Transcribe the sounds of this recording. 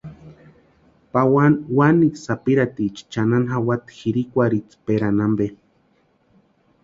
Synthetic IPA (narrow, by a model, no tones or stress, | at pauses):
pawawanisapiɾat̪it͡ʃi̥t͡ʃananɦawat̪i̥xiɾikʷaɾit͡speɾanambe